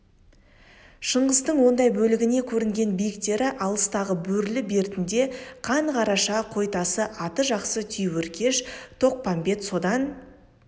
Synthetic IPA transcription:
ʃəɴʁəzt̪əɴwo̞nd̪ɑjbɵlɪɡʲɪne̞kʲʰɵɾɪŋɡʲe̞nbijɪkt̪e̞ɾɪʔɑlˠəst̪ɑʁəbɵɾlɪbe̞ɾt̪ɪnd̪e̞qʰɑɴqʰɑɾɑʃɑqʰo̞jt̪ɑsəʔɑt̪əʒɑqsət̪ʰʏjwɵɾkʲʰe̞ʃt̪ʰo̞q̚pɑmbe̞t̪so̞d̪ɑn

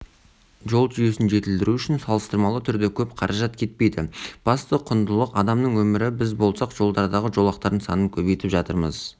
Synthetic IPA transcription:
ʒo̞lˠʒʏje̞sɪnʒe̞t̪ɪld̪ɪɾuʏʃɪnsɑlˠəst̪əɾmɑlˠət̪ʰʏɾd̪e̞kʲʰɵpqʰɑɾʔɑʒɑt̪kʲʰe̞t̪̚pe̞jd̪ɪb̥ɑst̪əqʰʊnd̪əlˠəqɑd̪ɑmnəɴwɵmɪɾɪbɪzbo̞lˠsɑqʒ̥o̞lˠd̪ɑɾd̪ɑʁəʒo̞lˠɑqt̪ɑɾd̪ənsɑ̰nəŋkʲʰɵβejt̪ɪpʒɑt̪əɾmə̰z

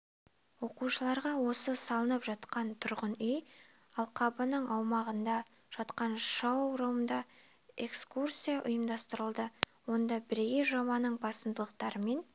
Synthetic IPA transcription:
wo̞quʃəlˠɑɾʁɑwo̞səsɑlˠənəpʒɑt̪qɑnt̪ʰʊɾʁənʏj | ɑlˠqʰɑbənəɴɑwmɑʁənd̪ɑ | ʒ̥ɑt̪qɑnʃɑwɾɑwnd̪ɑ | e̞kskursʲijɑʔʊjəmd̪ɑst̪əɾəlˠd̪ə | wo̞nd̪ɑbɪɾeɡʲeʒoβɑnəɴbɑsənd̪əlˠəq̚t̪ɑɾəme̞n

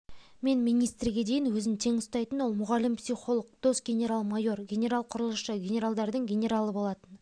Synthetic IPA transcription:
me̞nmijnijst̪rɡʲe̞d̪e̞jɪnwɵzɪnt̪ʰe̞ŋʊst̪ɑjt̪ənwo̞lˠmʊʁɑlɪmpsijχo̞lˠəq̚d̪̥o̞sɡʲe̞nʲe̞ɾalˠmajo̞rɡʲe̞nʲe̞ɾalˠqʰʊɾəlˠəʃəɡʲe̞nʲe̞ɾalˠd̪ɑɾd̪əɴɡʲe̞nʲe̞ɾalˠəbo̞lˠɑt̪ən

